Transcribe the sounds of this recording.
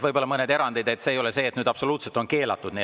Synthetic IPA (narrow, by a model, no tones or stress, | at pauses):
ɤjbo̞lːɑmɤne̞d̪e̞ɾɑnd̪̥id̪̥e̞t̪ːse̞ːjo̞lese̞ːt̪nyːd̪ɑpso̞luːt̪set̪o̞nke̞ːlɑ̰t̪ːˑud̪̥ni